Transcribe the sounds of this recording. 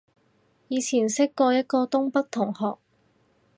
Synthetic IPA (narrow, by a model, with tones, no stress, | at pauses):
jiː˨˧t͡sʰiː˨˩nsɪ˥kːɔː˧jɐ˥t̚kɔː˧t̪ʊ˥ŋpɐ˥k̚t̪ʰʊ˨˩ŋhɔː˨k̚